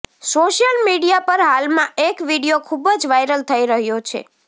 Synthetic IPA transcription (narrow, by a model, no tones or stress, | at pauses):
soʃjəlmiɽijapəɾɦalmãʔekʋiɽijokʰubd͡ʒʋajɾəlt̪ʰəiɾəɦjot͡ʃʰḛ